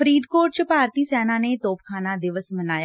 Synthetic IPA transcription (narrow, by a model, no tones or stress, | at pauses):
əɾiːd̪koːʈt͡ʃəpaːɾt̪iːsɛːnãːneːt̪oːpkʰaːnaːd̪ɪʋəsmənaːja